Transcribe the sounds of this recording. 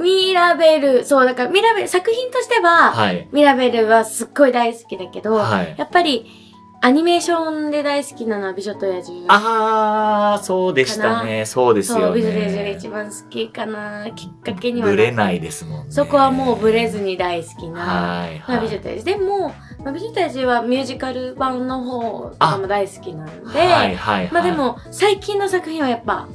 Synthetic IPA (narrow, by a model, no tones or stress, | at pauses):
mʲiɾabe̞ɾɯ̟so̞ːd̪akamʲiɾabe̞ɾɯsakɯ̟çĩnt̪o̞ɕi̥t̪e̞βahaimʲiɾabe̞ɾɯ̟βasɨɡːo̞id̪aisɨ̥kʲid̪ake̞d̪o̞haijapːaɾʲi | aɲ̟ime̞ːɕõ̞nd̪e̞d̪aisɨ̥kʲinano̞βabʲiʑot̪o̞jaʑia | soːd̪eɕananesoːd̪esoːbʲiʑot̪ojaʑiɡait͡ɕibãsɨ̥kʲikanakʲi̥kːake̞ɲ̟iβaɾenaid̪e̞sɨmonso̞ko̞βamo̞ːbɯ̟ɾe̞zɨɲ̟id̪aisɨ̥kʲinaiabʲiʑot̪a̰a̰ʑid̪e̞moː | mabʲiʑot̪ojaʑiβamʲjɯ̟ːʑikaɾɯ̟bãnno̞ɦo̞ːamod̪aisɨ̥kʲinãnod̪e̞haimad̪e̞mo̞ | saikʲĩnːo̞sakɯ̟çĩɰ̃βajapːa